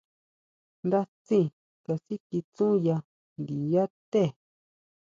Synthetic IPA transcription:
nd̪a˦t͡sĩ˦˨ | ka˧si˦ki˧t͡sũ˦ja˧ | nd̪i˨ja˦t̪e˦˨

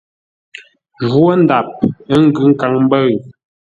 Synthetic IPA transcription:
ʒwo˦n˦da˨p̚ə˦ŋ̩˦ɡʉ˦ŋ̩˦ka˨˦ŋm˦bə˦ɰ

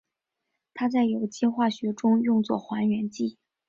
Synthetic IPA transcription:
t̪ʰa˥t͡sa˥˩ɪjo˨˩ʊt͡ɕjɛ˥xwa˥˩ɕɥɛ˧˥ʈ͡ʂʊ˥ŋjʊ˥˧ŋt͡swɔ̰˥˩xwa˧˥nɥɛ˧˥nt͡ɕi˥˩

